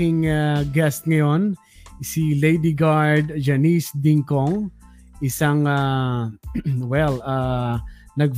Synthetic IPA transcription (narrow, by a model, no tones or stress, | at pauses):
ɪŋaɡɛst̪̚ŋɐjo̞n | silejd̪iɡaɹd̪d͡ʒɐnisd̪ɪŋkoŋ | ʔɪsaŋa | wɛla | nɐɡ̚